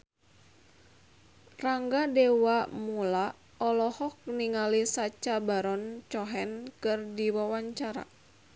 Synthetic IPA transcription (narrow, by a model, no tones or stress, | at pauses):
raŋɡadewamuula | ɔlɔhɔk̚niŋalisat͡ʃabaɾɔnt͡ʃɔɦɛnkɨrdiwawaɲt͡ʃaɾa̰